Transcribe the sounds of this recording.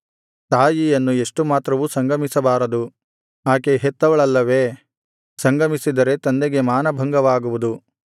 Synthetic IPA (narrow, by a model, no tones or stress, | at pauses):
t̪aːjijɐnːueʂʈumaːt̪ɾɐʋusɐŋɡɐmisɐbaːɾɐd̪u | aːkeɦet̪ːɐʋɐɭɐlːɐʋe̞ː | sɐŋɡɐmisid̪ɐɾe̞t̪ɐnd̪eɡe̞maːnɐbʱɐŋɡɐʋaːɡuʋud̪u